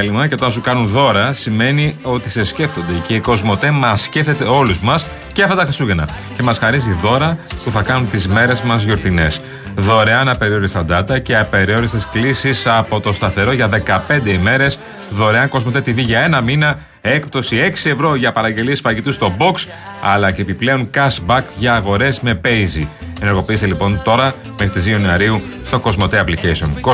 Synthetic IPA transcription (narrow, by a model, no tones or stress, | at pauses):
elimɐcet̪oɐnsukɐnunðo̞ɾɐsime̞nio̞t̪ise̞sce̞ft̪o̞nd̪e̞ceiko̞zmo̞t̪e̞mɐsce̞fθe̞t̪e̞o̞luzmɐs | ceɐft̪ɐt̪ɐxɾisuʝenɐ̰ | ce̞mɐsxɐɾiziðo̞ɾɐpuθɐkɐnunt̪izme̞ɾe̞zmɐzʝo̞ɾt̪ine̞s | ðo̞ɾe̞ɐnɐpe̞ɾio̞ɾist̪ɐd̪ɐt̪ɐce̞ɐpe̞ɾio̞ɾist̪esklisisɐpo̞t̪o̞st̪ɐθe̞ɾo̞ʝɐðe̞kɐpe̞nd̪e̞ime̞ɾe̞s | ðo̞ɾe̞ɐŋko̞zmo̞t̪et̪iviʝɐe̞nɐminɐ | e̞k̚pt̪o̞sie̞ksie̞vɾo̞ʝɐpɐɾɐɲɟe̞liespɐɐcit̪ust̪o̞bo̞ks | ɐ̰lɐcepiple̞o̞ŋkɐsbɐkʝɐːɣo̞ɾe̞zme̞pejzieneɾɣo̞piist̪elipo̞nt̪o̞ɾɐ | mexɾit̪izðionuɐɾiu | st̪o̞ko̞zmo̞t̪eɐplicejsio̞nko